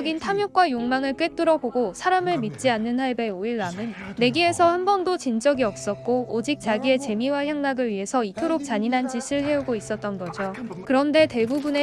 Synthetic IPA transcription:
ɡintʰamjok͈wajoŋmaŋɯɭk͈et͈ɯɾʌboɡosʰaɾamɯɭmit̚t͡ɕ͈ianːɯnhaɭbe̞oiɭːamɯnːe̞ɡie̞sʰʌhanbʌndot͡ɕind͡ʑʌɡiʌp̚s͈ʌt̚k͈oːd͡ʑik̚t͡ɕ͈aɡie̞t͡ɕe̞miwaçjaŋnaɡɯɭɥiɦe̞sʰʌitʰoɾok̚t͡ɕ͈aɲinɦand͡ʑiɕʰɯɭhe̞uɡois͈ʌt̚t͈ʌnɡʌd͡ʑokɯɾʌnde̞te̞bubune

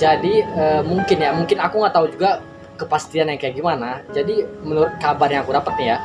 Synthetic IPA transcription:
d͡ʒadiəmuŋkɪnjamuŋkɪnakuŋaʔt̪aud͡ʒuɡa | kəpast̪ianjaŋkajak̚ɡimanad͡ʒadimənuɾʊt̪̚kabarɲaakudapət̪̚nɪja

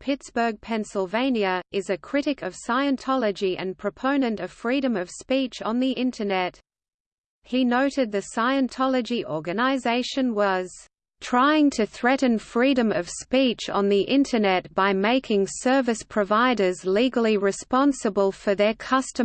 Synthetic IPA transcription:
pʰɪtsb̥ə˞ɡ̚pʰɛ̃nsəl̩ˠvẽɪ̃njɨɪzɨkʰɹ̥ɪɾɨkʌv̥saɪɨ̃ntʰɑlˠəd͡ʒiʔɨ̰̃npʰɹ̥ɨpʰõʊ̃nɨ̃ntʌv̥fɹiɾɨ̃mʌv̥spit͡ʃn̩ðiʔɪ̃ntʰənɛt̚ | hinoʊɾɨd̪̚ðɨsaɪɨ̃ntʰɑlˠɨd͡ʒiʔɔɹɡɨnəzeɪʃɨ̃nwʌz̥ | tʰɹ̥aɪɪ̃ŋtʰɨθɹɛʔn̩fɹiɾɨ̃mʌv̥spit͡ʃn̩ðiʔɪ̃ntʰə˞nɛt̚b̥aɪmeɪkʰɪ̃ŋsɜ˞vɨspʰɹ̥ɨvaɪɾə˞zliɡl̩ˠiɹɨspɑ̃nsəbəlˠfə˞ðə˞kʰʌstɨ̃

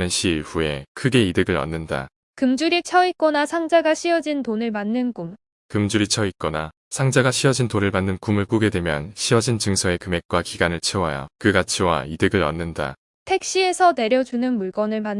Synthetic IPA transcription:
nɯnɕʰiːɭɸue̞kʰɯɡe̞idɯɡɯɾʌ̰nːɯnda̰ | kɯmd͡ʑuɾit͡ɕʰʌik͈ʌnasʰaŋd͡ʑaɡaɕʰiʌd͡ʑintonɯɭmanːɯnɡum | kɯmd͡ʑuɾit͡ɕʰʌik͈ʌna | sʰaŋd͡ʑaɡaɕʰiʌd͡ʑintonɯɭmanːɯnkumɯɭk͈uɡe̞dwe̞mjʌ̰nɕʰiʌd͡ʑint͡ɕɯŋsʰʌe̞kɯme̞k̚k͈wakiɡanɯɭt͡ɕʰewaja̰kɯɡat͡ɕʰiwa̰idɯɡɯɾʌ̰nːɯnda̰ | tʰe̞k̚ɕ͈ie̞sʰʌne̞ɾjʌd͡ʑunɯnmuɭk͈ʌnɯɭman

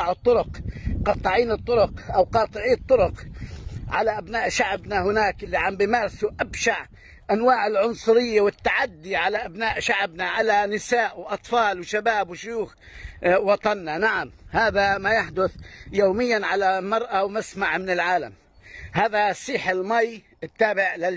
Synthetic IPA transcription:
ɑʕt̪ˤːʊɾʊqqɑt̪ˤːɑʕiːnɨt̪ˤːʊɾʊqʔawqɑːt̪ˤɨʕiːt̪ˤːʊɾʊq | ʕa̰laʔabnaːʔʃaʕbnahʊnaːkʔɪlːiʕambimɑɾˤsuʔabʃaʕ | ʔanwaːʕɪlʕʊnsˤʊɾɪjːawɪt̪ːaʕad̪ːiʕalaʔabnaːʔʃaʕbnaʕalanɪsaːʔwʔɑt̪ˤfɑːlwʃabaːbwʃjuːx | wɑt̪ˤɑnːanaʕamhaːðamajaħd̪ʊθjoːmɪjːanʕalamɑɾˤʔawmasmaʕmɪnɪlʕaːla̰m | haːðasˤiːħɪlmaj | ɪt̪ːaːbɪʕlɪ

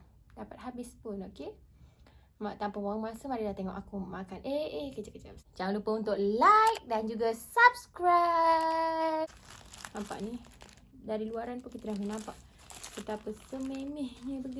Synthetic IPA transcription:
dapat̪̚ɦabɪspʊnoke | maʔt̪ampawawaŋmasəmaɾilaht̪eŋɔ̰ʔakumakanʔeekət͡ʃaʔkət͡ʃabsd͡ʒaŋanlupəunt̪ʊʔ̚lajk̚dand͡ʒuɡasabskɾa | nãmpa̰ʔni | daɾiluaɾanpunkit̪alahkunampaʔ | pət̪apəsəmemehɲəbəɡi

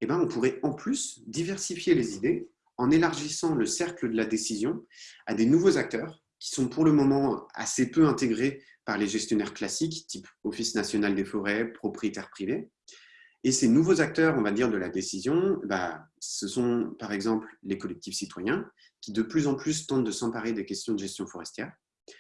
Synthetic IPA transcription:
ebɛ̃ɔ̃puʁɛɑ̃plysd̪ivɛʁsifjelezid̪e | ɑ̃nelaʁʒisɑ̃ləsɛʁkləd̪əlad̪esizjɔ̃ad̪enuvozak̚t̪œːʁ | kʲi̥sɔ̃puʁləmɔmɑ̃a̰sepøɛ̃t̪eɡʁe | paʁleʒɛst̪jɔnɛʁklasikt̪ipɔfisnasjɔnald̪efɔʁɛpχɔpχijet̪ɛʁpχive | esenuvozak̚t̪œʁɔ̃vad̪iʁd̪əlad̪esizjɔ̃ebasəsɔ̃paʁɛɡzɑ̃pllekɔlɛk̚t̪ifsit̪wajɛ̃ | kʲid̪əplyzɑ̃plys̬t̪ɑ̃t̪̚d̪əsɑ̃paʁed̪ekʲɛst̪jɔ̃d̪əʒɛst̪jɔ̃fɔʁɛst̪jɛːʁ

